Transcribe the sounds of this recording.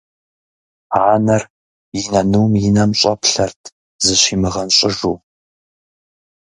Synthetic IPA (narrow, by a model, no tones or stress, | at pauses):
aːnɐr | jɪnɐnɨwmjɪnɐmɕʼɐpɬɐrtʰ | zɨɕiːmɨʁɐnɕʼɪʒuː